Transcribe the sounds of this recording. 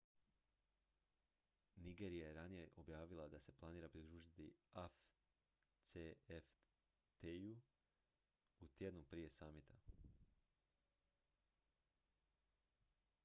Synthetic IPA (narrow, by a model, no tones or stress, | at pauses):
niɡeɾijajeɾanije̞ʔo̞bjaːʋilˠad̪ase̞plˠaniːɾapɾid̪ɾuːʒit̪iaf | t̪seef | t̪eju | ut̪je̞d̪nupɾije̞saːmit̪ʰa